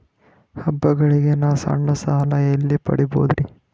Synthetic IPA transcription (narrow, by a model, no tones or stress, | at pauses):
hɐbːɐɡɐɭiɡenaːsɐ̰ɳːɐsaːlɐelːipɐ̰ɽibo̰ːd̪ɾi